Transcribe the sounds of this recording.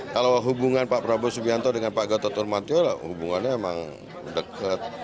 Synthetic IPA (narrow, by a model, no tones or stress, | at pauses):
kalawɦubuŋanpapəɾabosubiant̪ɔdəŋanpaɡat̪ɔt̪ɔrmant̪iolahubuŋanɲamema̰ŋ | dəkʰət̪̚